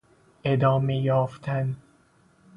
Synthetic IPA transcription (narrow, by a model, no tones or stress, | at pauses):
ʔed̪ɒːmejɒːft̪ʰæn